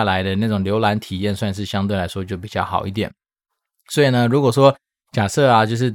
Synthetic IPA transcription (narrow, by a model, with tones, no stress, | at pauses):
la˧˥ɪd̪ə˧na˥˩ʈ͡ʂʊ˨˩ŋljo˧˥ʊla˧˥nt̪ʰi˨˩jɛ˥˧nswa˥˧nʂ̬ɻ̩˥˩ɕjɑ˥ŋt̪we˥˩ɪla˧˥ɪʂwɔ˥t͡ɕjo˥˩ʊpi˨˩t͡ɕjɑ˥˩xɑ̰˨˩ʊi˥˩t̪̬jɛ˨˩˦n | swɔ˧˥i˨˩nə˦ɻu˧˥kwɔ˨˩ʂwɔ˥ | t͡ɕja˨˩sɤ˥˩a˨t͡ɕjo˥˧ʊʂ̬ɻ̩˥˩